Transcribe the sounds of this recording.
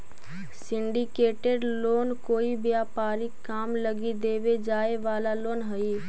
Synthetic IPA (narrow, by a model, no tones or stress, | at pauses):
sɪ̃ɳɖikeːʈeɖloːnkoːibjaːpaːɾɪkːaːmləɡid̪eːʋed͡ʒaːeʋaːlaloːnɦəi